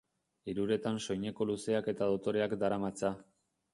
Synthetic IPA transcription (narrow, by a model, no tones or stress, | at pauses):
iɾuɾe̞t̪anʃo̞jɲe̞ko̞luse̞ake̞t̪aðo̞t̪o̞ɾe̞akd̪aɾamat͡sa